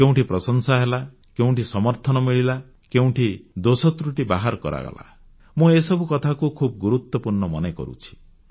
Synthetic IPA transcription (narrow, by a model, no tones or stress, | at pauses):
kew̃ʈipɾɔsɔŋsaɦela | keũʈisɔmɔɾt̪ʰɔnɔmiɭila | keũʈʰid̪osɔt̪ɾuʈiba̰ɦaɾkɔ̰ɾa̰ɡɔ̰la̰ | mũesɔbukɔt̪ʰakukʰubɔɡuɾut̪wɔpuɾɳɔmɔnekɔ̰ɾṵt͡ʃʰi̥